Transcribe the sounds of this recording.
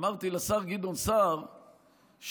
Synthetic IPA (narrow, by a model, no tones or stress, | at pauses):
maʁt̪ilasaʁɡid̪onsaʁ | ʃ